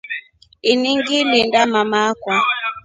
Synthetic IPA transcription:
iniŋɡilindamamakwa

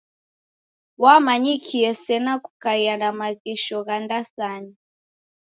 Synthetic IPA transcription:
wamaɲikʰiɛsɛnaku̥kajanamaɣiʃɔɣandasani

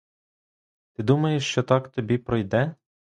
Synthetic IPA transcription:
t̪ɪd̪umɐjeʃt͡ʃɔt̪ɑkt̪ɔbʲipɾɔjd̪ɛ

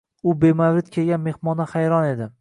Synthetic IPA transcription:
ʊbemawɾɪt̪kʲʰelɡʲanme̞hmɒnahajɾɒne̞d̪ɪ

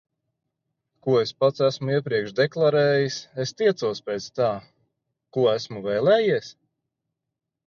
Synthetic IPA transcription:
kuɔespat̪sæsmuiɛpɾiɛkʃd̪eklˠaɾɛːjisest̪iɛt̪suɔspɛːt̪st̪aː | kuɔæsmuvɛːlɛːjiɛs

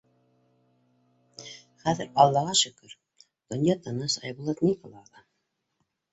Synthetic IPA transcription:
χæðɘɾɑlˠːɑʁɑʃɵ̆kɵɾ | d̪̥ŏnjɑt̪ɤnɑsɑjbulˠɑt̪mʲikolˠɑlˠɑ

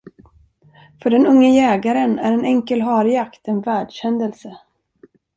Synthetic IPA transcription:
fœɖɛnɵŋːəjɛːɡaɾənæ̰ɾɛnɛŋkəlɦɑːɾɪjakt̪ɛnvæːɖɕɛnd̪əlsə

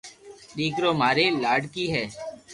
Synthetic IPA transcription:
ɗiːkɾoːmaːɾeːlaːɖkiːɦɛː

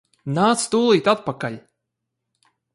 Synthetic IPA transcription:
nat̪st̪ulˠit̪at̪̚pakalʲ

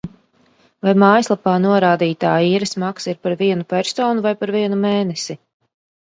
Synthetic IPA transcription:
vajmaːjslˠapaːnuɔɾaːd̪iːt̪aːiːɾɨsmaksiɾpaɾviɛnupɛɾsɔːnuvajpaɾviɛnumeːnɛsi

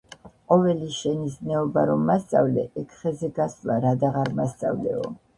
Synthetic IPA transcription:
qʼɔvɛliʃɛniznɛɔbaɾɔmːast̪sʼa̰vlɛʔɛkʰχɛzɛɡaslˠaɾad̪aʁaɾmast̪sʼa̰vlɛ̰ɔ

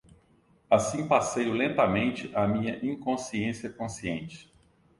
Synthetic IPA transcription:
asĩpasejʊlẽnt̪ɐmẽnt͡ʃɪʔamĩɲɐʔĩŋkõsiẽsiɐkõsiẽnt͡ʃɪ̥

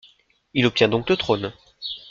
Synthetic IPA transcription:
ilɔp̚t̪jɛ̃d̪ɔ̃klət̪χon

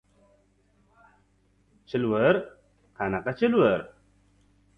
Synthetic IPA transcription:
t͡ʃʰilwəɾ | qʰanaqat͡ʃilwəɾ

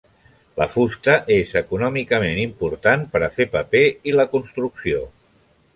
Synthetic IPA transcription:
lə̰fust̪əʔezəkunɔmikəmenimpuɾt̪anpəɾəfepəpeiləkunst̪ɾuksio

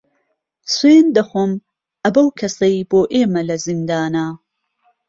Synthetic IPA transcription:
sweːnd̪ɐxom | ʔɐbɐwkʰɐsɐboːʔeːmɐlɐzind̪aːna

